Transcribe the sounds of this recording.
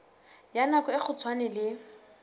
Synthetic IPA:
janakɔɪk͡xʰʊt͡sʰwanɛlɪ

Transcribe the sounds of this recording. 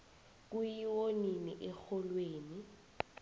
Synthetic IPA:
k̬ujiwoniniʔɛxɔlweːni

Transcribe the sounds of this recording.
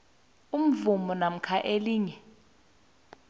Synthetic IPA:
um̩vumɔnam̩kʰaʔeliːŋɛ

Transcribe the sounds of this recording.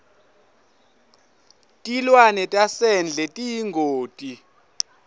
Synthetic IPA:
tʼilwanɛtʼasɛnd͡ɮʱɛtʼijiŋɡʱoːtʼi

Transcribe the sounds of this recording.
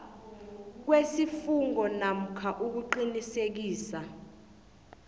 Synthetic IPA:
k̬wesifuŋɔnam̩kʰaʔuk̬uǃinisek̬iːsa

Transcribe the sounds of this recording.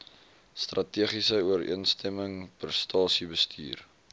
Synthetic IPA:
strɐtiəχisəuəɾḭənstʰɛməŋpərstʰɑːsibəstʰy̰ːr

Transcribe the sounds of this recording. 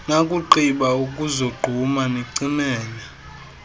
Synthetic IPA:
nakʼuǃiɓaukʼuzoɡ͡ǃʱumaneǀinɛːnɛ

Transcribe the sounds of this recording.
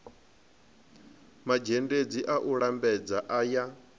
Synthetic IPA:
mad͡ʒended͡ziʔaʔuɺambɛd͡zaʔaja

